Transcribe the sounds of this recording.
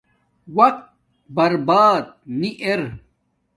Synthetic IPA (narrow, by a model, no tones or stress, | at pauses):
wɐq̚t̪̚ | bɐɾbaːd̪̚niʔeɾ